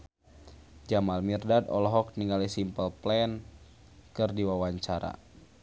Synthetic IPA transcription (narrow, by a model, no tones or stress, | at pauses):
d͡ʒamalmirdadɔ̰lɔɦɔk̚niŋalisimpəlplɛn | kɨrdiwawaɲt͡ʃaɾa̰